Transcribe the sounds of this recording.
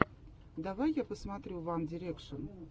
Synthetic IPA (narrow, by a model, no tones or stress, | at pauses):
d̪avajːapəsmat̪ɾʲuvamdʲɪɾʲekʂən